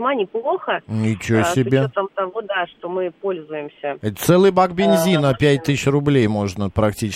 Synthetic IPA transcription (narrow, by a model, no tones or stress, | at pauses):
manʲɪplˠoxənʲɪt͡ɕossʲɪbʲeot̪amt̪ɐvod̪aʂt̪omɨpolʲzʊjɪmsʲəɛt̪t̪sɛlˠɨjbakbʲɪnʲzʲinəpʲætʲt̪ɨɕrʊblʲejmo̞ʐnəpɾɐktʲit͡ɕɪ